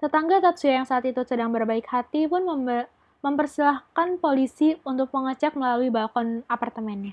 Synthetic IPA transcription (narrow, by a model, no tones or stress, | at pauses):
sət̪aŋɡat̪at̪̚suajaŋsaːt̪it̪usədaŋbərbaɪkhat̪ipʊnə | məmpərsilahkanpolisiunt̪ʊk̚məŋət͡ʃak̚məlaluibakɔnapart̪əmɛnja